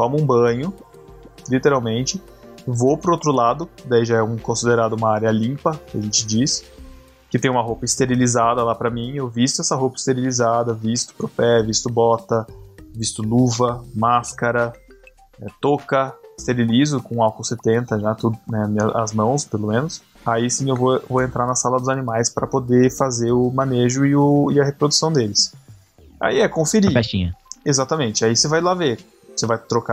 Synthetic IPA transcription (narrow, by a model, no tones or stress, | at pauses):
t̪ɔ̃mʊũbɐ̃ɲʊ | lit̪eɾawmẽnt͡ʃɪ | vopɾʊowt̪ɾʊlad̪ʊd̪aiʒaɛũkõsid̪eɾad̪ʊũmɐaɾjɐlĩmpɐkɪɐʒẽnt͡ʃɪd͡ʒis | kɪt̪ẽj̃ũmɐɦopɐɪst̪eɾilizad̪ɐlapɾɐmĩewvist̪ʊɛsɐɦopɐɪst̪eɾilizad̪ɐvist̪ʊ̥pɾopɛvist̪ʊbɔt̪ɐvist̪ʊluvɐmaskaɾɐ | ɛt̪okɐɪst̪eɾilizʊkõawkolset̪ẽnt̪ɐʒat̪ud̪ʊnɛmɐɐ̰zmɐ̃w̃spelomẽnʊs | aisĩewvovoẽnt̪ɾaɾnɐsalɐd̪ʊzanimajspɾɐpod̪efazeɾʊmɐ̃neʒʊɪʊɪɐhepɾod̪usɐ̃w̃d̪elɪs | a̰iɛkõfiɾiat͡ʃĩɲɐezat̪ɐmẽnt͡ʃɪaisevajlave | sevajt̪ɾoka